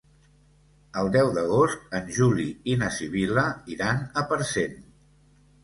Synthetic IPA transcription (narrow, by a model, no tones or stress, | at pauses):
əlˠd̪ɛwðəɣ̞ost̪ənʲʒuliinəsiβ̞iləiɾanəpəɾsen